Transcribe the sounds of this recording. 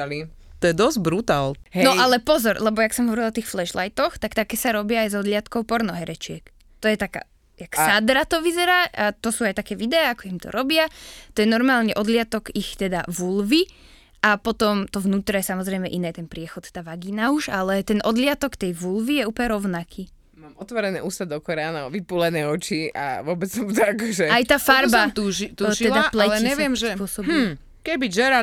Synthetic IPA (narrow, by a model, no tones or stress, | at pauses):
i | t̪ɔjɛd̪ɔzbɾut̪aːlɦnɔʔalɛpɔzɔɾlɛbɔjaksɔmɦɔʋɔɾilˠɔt̪iːxflɛʃlajt̪ɔxt̪akt̪akɛːsaɾɔbɪaːjzɔd̪lɪat̪kɔʊpɔɾnɔɦɛɾɛt͡ʃɪɛk | t̪ɔjɛt̪aka̰ː | jaksad̪ɾat̪ɔʋizɛɾaːʔat̪ɔsuːajt̪akɛːʋid̪ɛaakɔimt̪ɔ̰ɾʔɔbɪat̪ɔjɛnɔɾmaːlɲɛʔɔd̪lɪat̪ɔkixt̪ɛd̪aʋulʋi | ʔapɔt̪ɔmt̪ɔvnuːt̪ɾɛjɛsamɔzɾɛjmɛʔinɛːt̪ɛnpɾɪɛxɔt̪t̪aːʋaɡiːnauʒalɛt̪ɛnʔɔd̪lɪat̪ɔkt̪ɛjʋulʋijɛuːplɲɛɾɔʊnakʰiː | maːmɔt̪ʋɔɾɛnɛ̰ːʔuːst̪ad̪ɔkɔɾaːnaɔʋipuːlɛnɛːɔt͡ʃia̰ʋʊɔbɛt͡ssɔmut̪ɔakɔʒɛajt̪aːfaɾbat̪uit̪uʃiɛld̪aplɛɛɲɛʋɪɛmʒsɛpʊɔsɔbu | kɛbiʒɛɾa